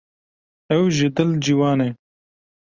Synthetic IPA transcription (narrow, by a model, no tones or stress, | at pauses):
ɛwʒɪd̪ɪld͡ʒiwɑːneː